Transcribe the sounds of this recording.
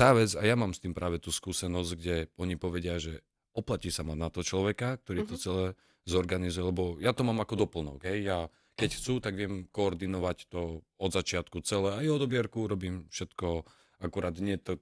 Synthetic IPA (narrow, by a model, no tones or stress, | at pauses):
t̪aːʋɛd͡zajamaːmst̪iːmpɾʔaːʋɛt̪uːskuːsɛnɔzɡɟɛɔɲipɔʋɛɟɪaʒɛ | ɔplaciːsamanat̪ɔɦɔt͡ʃlɔʋɛkak̚t̪ɔɾit̪ɔt͡sɛlɛ | zɔɾɡanizujɛlɛbɔjat̪ɔmaːmakɔd̪ɔpl̩nɔ̰ɡɦɛjja | kɛcxt͡suːt̪aɡʋɪɛmkɔːɾd̪inɔʋact̪ɔ | ɔd̪zat͡ʃɪat̪kut͡sɛlɛajɦɔd̪ɔbɪɛɾkuuɾɔbiːmfʃɛt̪kɔ | akuɾaːd̪ɲɪɛt̪ɔ